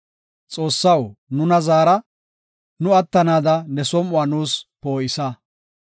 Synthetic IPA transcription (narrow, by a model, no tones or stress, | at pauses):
t͡sʼo̞ːsːɐwnʊnɐzaːɾɐ | nʊɐt̪ːɐnaːd̪ɐnɛsɔmʊaːnuːspo̞ːʔɪsɐ